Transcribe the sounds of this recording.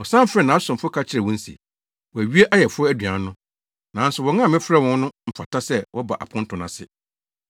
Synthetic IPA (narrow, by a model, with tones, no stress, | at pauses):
ɔ˨sã˦m˦fɾɛ˨nã˨a˦sʊ̃˨mfʊ˦kʰa˦t͡ɕʰɪ˦ɾɛ˨wɔ̃˦n̩˦sḭ˨ | wɔ˨æ˨ɥi˦e˦ʔa˦jɛ˨fʊ˦ɔ˦æ˦dɥã˨˦nʊ̃˦ | nã˨˦n˦sʊ˨wɔ˨ŋã˦˨mɪ̃˦fɾɛ˦wɔ̃˦nnʊ̃˦m̩˦fa˨tʰa˦sɛ˦wʔɔ˦ba˨ʔa̰˨pʰʊ̃˦n̩˦tʰʊ̃˨nã˨sɪ̰˨